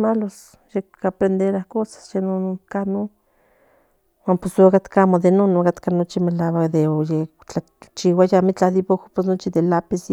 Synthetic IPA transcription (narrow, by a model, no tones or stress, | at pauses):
malos | ʃekapɾend̪eɾahkosḁsjenonokano | wanposokat̪kamoðenonokat̪kanot͡ʃimelawakd̪eoje | t͡ɬa | t͡ʃiwajamit͡ɬahd̪ipokopes̬not͡ʃiðelapis